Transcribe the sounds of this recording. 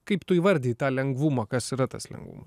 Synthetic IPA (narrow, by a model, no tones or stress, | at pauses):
kɐɪpt̪ʊiːʋɐɾʲd̪ʲɛːjt̪ɑːlʲɛŋɡʋʊmɑːkɐsiɾɐt̪ɐ̰slʲɛ̰ŋɡʋṵmɐs